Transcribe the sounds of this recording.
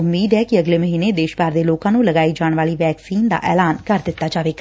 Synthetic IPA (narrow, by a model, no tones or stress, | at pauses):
ʊmːiːd̪ɛːkɪəɡleːməɦiːneːd̪eːʃbaːɾd̪eːloːkãːnũːləɡaːiːd͡ʒaːɳ̃ʋaːliːʋɛːksiːnd̪a̰ːʔɛ̰ːlaːnkəɾd̪ɪt̪ːaːd͡ʒaːʋeːk